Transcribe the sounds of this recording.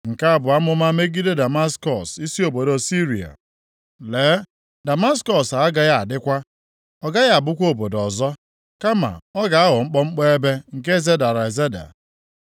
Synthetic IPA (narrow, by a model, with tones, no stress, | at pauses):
ŋ̩˨ka˦a˦bʊ˨a˦mʊ˦ma˦me˦ɡi˦de˦da˨ma˦skɔ˨si˦si˦o˨bo˨dɔ˨si˦ɾi˨a̰˨ | leː˨˦ | da˨ma˦skɔ˨sa˨˦ɡa˨ja˦a˨dɪ˦kʷa˦ | ɔ˨ɡa˦ja˦a˨bʊ˦kʷo˦˨bo˨dɔ˨zɔ˦ | ka˦ma̰˨ɔ˦ɡa˨a˦ɦʊ˨ŋ͡m̩˦k͡pɔ˦ŋ͡m̩˦k͡pɔ˦e˦be˦ŋ̩˨k̬e˦ze˦da˨ɾa˨e˨ze˦da̰˨